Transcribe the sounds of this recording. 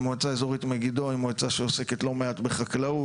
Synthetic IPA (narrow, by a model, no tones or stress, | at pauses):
moat͡saezoʁit̪meɡid̪oimoat͡saʃeose̞ke̞t̪lo̞meat̪beχaklau